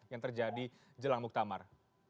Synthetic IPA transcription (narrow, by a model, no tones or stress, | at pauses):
jaŋt̪ərd͡ʒadi | d͡ʒəlaŋmuk̚t̪ama̰r